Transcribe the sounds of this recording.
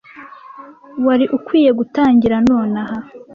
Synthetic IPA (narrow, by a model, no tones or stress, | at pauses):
waɾiʔukwiːje̞ɡutaːɲɟiɾanoːnaha